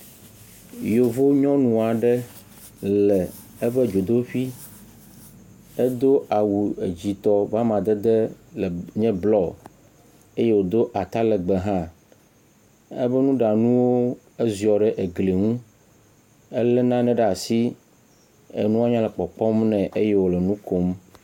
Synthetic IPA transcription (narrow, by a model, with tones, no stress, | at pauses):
jo˨vo˦ɲɔ̃˦nũ˨a˨ɖɛ˦ | lɛ˨ | e˦ɸɛ˦d͡ʒo˨d̪o˦ɸi˦ | e˦d̪o˦a˨wu˨e˨d͡ʑi˨t̪ɔ˨va˦mã˨d̪ɛ˦d̪ɛ˦lɲɛ̃˦blɔ˦˨ | e˦je˦wo˨d̪o˦ʔa˨t̪a˦lɛ˨ɡ͡bɛ˨ɦã˦ | ḛ˦βɛ˦nũ˦ɖa˨nũ˦wo˦ | e˦zi˨ɔ˨ɖɛ˦ʔe˨ɡle˨ŋũ˦ | e˦lɛ˦nã˦nɛ̃˨ɖa˨si˦ | ḛ˨nũ˦wa˦ɲã˦lɛ˨k͡pɔ˨k͡pɔ˦mnɛ̃˨ʔe˦je˦wo˨lɛ˨nũ˦ko˦m